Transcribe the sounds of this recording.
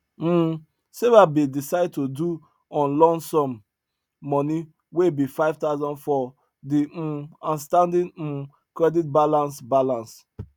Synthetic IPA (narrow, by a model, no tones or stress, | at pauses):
m̩ | sevabidisaɪd̚todu | ɔ̃nlɔ̃nsɔ̃mː | ɔni | webifaɪvtaʊzɔ̃nfɔ | diãnstãndĩn̩ | kɹɛdit̚balãnsbalãns